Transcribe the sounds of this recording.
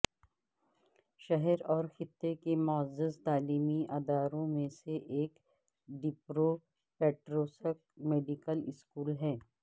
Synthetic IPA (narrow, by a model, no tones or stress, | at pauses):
ʃɐɦɛɾɔːɾxɪt̪ːekemʊəzɪzt̪aːliːmiʔaːd̪aːɾõmẽseʔeːk | ɖɪpɾo | pɛːʈɾoːsək̚meːɖikəlɪskuːlɦɛː